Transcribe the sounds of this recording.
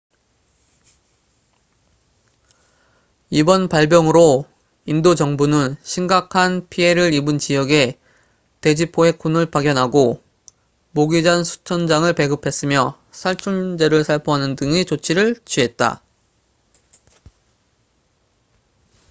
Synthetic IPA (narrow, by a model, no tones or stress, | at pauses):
ibʌnpaɭbjʌŋɯɾo | indod͡ʑʌŋbunɯnɕʰimɡakʰanpʰie̞ɾɯɾibɯnt͡ɕijʌɡe̞ | te̞d͡ʑipʰoe̞k͈ʰunɯɭpaɡjʌnɦaɡo | moɡid͡ʑansʰu̥t͡ɕʰʌnd͡ʑaŋɯɭpe̞ɡɯpʰe̞s͈ɯmjʌ | sʰaɭt͡ɕʰuɭd͡ʑe̞ɾɯɭsʰaɭpʰoɦanɯndɯŋit͡ɕot͡ɕʰiɾɯɭt͡ɕʰɥiɦe̞t̚t͈a̰